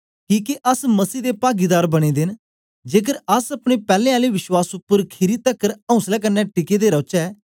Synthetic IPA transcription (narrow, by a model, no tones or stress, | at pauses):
kiːkeʔɐsmɐsiːd̪epaːɡiːd̪aːɾbɐɽ̃id̪ɪn | d͡ʒeːkəɾɐsɐpɽ̃epɛːlẽːaːliʋɪʃwaːsʊpːəɾkʰɪɾit̪əkːəɾə̃ʊ̃slɛkəɾnɛːʈɪked̪eɾɐːt͡ʃɛː